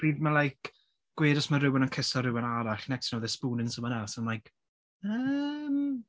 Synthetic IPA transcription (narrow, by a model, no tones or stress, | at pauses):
b̥riːðmalˠajk | ɡ̥weːɾɔsmaɾɪwɛnankʰɪsɔɾɪwɛnaɾaɬnɛkstnoðɛspuːnɪnsəmanasɔnlajk | əm